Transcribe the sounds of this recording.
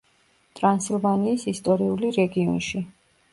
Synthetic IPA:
t̪ʼɾansilˠvaniːsist̪ʼɔɾiuliɾɛɡiɔ̰nʃi

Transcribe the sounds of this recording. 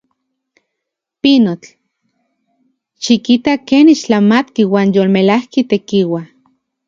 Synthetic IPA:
pinot͡ɬ | ʃikit̪akeːniʃt͡ɬamat̪kiwaːnjolmelahkit̪ekiwa

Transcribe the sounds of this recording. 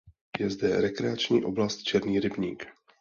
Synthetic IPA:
jɛzdɛɾɛkɾɛat͡ʃɲiːʔo̞̰blast̪̚t͡ʃɛɾniːɾɪbɲiːk

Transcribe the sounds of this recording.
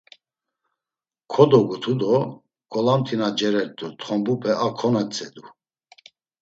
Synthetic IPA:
kʰɔd̪ɔɡut̪ʰud̪ɔ | kʼɔlamt̪ʰinad͡ʒɛɾɛɾt̪ut̪χɔmbupʰɛʔakʰɔnɛt͡sʼɛd̪u

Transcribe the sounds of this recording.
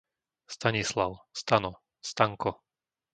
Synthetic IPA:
st̪aɲislaʊst̪anɔ | st̪aŋkɔ

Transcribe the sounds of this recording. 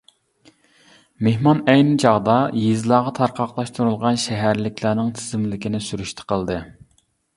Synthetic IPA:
mehmɑnɛjnɪt͡ʃʰɑʁd̪ɑjiezlˠɑːʁɑt̪ʰɑɾqʰɑqlˠɑʃt̪ʰuɾulˠʁɑnʃɛɦæɾlɪkʲʰlˠænɪŋt̪ʰɪ̥zɪmlɪkʲinɪsyɾyʃt̪ʰə̥qʰəlˠd̪ɨ

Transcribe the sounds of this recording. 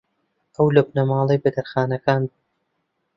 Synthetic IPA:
ʔɐwlobnɐmɑːlˠɐjbɐd̪ɐɾxaːnɐkaːn

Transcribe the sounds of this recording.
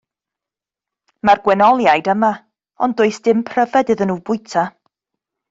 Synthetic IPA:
marɡwɛnɔlˠjajdəma | ɔ̰ndʊɨsd̥ɪmpʰr̥əvɛdɨðənuːbʊɨtʰa

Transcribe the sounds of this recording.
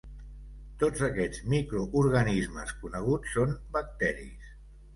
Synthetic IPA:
t̪od͡zəkɛd͡zmikɾuʔuɾɣənizmə̰skunəɣ̞ut͡sːombək̚t̪ɛɾḭs

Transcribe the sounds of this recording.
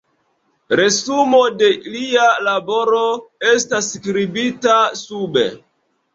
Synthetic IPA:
ɾe̞sumode̞lialabo̞ɾoestaskɾibitasubḛ

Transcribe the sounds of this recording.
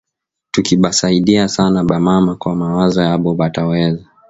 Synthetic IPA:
tukiɓasaiɗiasanaɓamamakwamawazɔjaɓɔɓatawɛza

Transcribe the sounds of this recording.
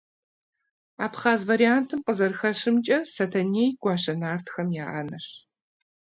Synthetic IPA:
aːpχaːzvɐɾijaːntʰɨmqʼəzɐrxɐʂɨmt͡ʃʼɐsɐtʰɐneːjɡʷɑːɕɐnaːrtʰxɐmjaːʔɐ̰nɐɕ

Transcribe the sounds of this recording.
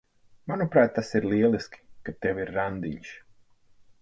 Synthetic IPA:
manupɾaːt̪̚ːasiɾliɛlˠiskʲi̥kat̪ːɛwiɾːand̪ḭɲʃ

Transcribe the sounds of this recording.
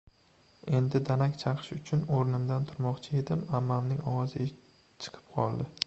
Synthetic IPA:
e̞nd̪ɪd̪anakʲt͡ʃʰɑqʰɨ̥ʃʊt͡ʃʰʊnoɾnɪmd̪ant̪ʰʊɾmɒqt͡ʃʰɪe̞d̪ɪmamːamnɪŋɒwɒzɪ | t͡ʃʰɨ̥qʰɨ̥p̚qʰɒlˠd̪ɪ

